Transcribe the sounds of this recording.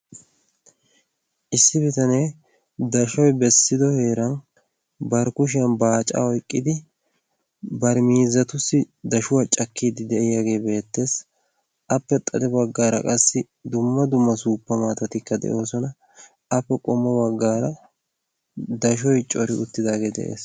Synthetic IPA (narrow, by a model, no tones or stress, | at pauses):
ʔɪsːɪbɪt̪ɐne | d̪ɐʃɔjbɛsːɪd̪ɔhe̞ːɾɐn | bɐɾkʊʃ̬ɪjɐnbaːt͡ʃʼa̰ɔjkʼːɪd̪ɪ | bɐɾmiːzɐt̪ʊsːɪ | d̪ɐʃʊwat͡ʃʼɐkːiːd̪ɪd̪ɛʔɪjaɡe̞ːbe̞ːt̪ːe̞ːs | ʔɐpːɛt̪ʼɐd̪ɛbɐɡːaːɾɐ̰kʼɐsːɪ | d̪ʊmːɐd̪ʊmːɐsuːpːɐmaːt̪ɐt̪ɪkːɐd̪ɛ̰ʔo̞ːsɔnɐ | ʔɐpːɛkʼɔmːɔbɐɡːaːɾɐ | d̪ɐʃ̬ɔjt͡ʃʼɔɾɪʔʊt̪ːɪd̪aːɡe̞ːd̪ɛ̰ʔe̞̰ːs